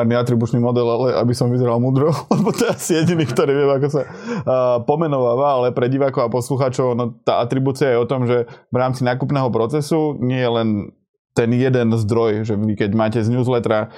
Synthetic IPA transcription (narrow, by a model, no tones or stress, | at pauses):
aɾniat̪ɾibut͡ʃnimɔd̪ɛlalɛʔa̰bisɔmʋizɛɾalmud̪ɾɔlɛbɔt̪ɔɛɛasijɛɟiniːkt̪ɔɾiːʋɪɛmakɔsa | pɔmɛnɔʋaːʋaalɛpɾɛɟiʋaːkɔʊapɔsluxaːt͡ʃɔʊanɔt̪aʔat̪ɾibuːt͡siajɛɔt̪ɔmʒɛʋɾaːmt͡sinaːkupnɛːɦɔpɾɔt͡sɛsuɲɪɛjɛlɛn | t̪ɛnjɛd̪ɛnzd̪ɾɔjʒɛʋikɛɟmaːcɛzɲuːzlɛt̪ɾa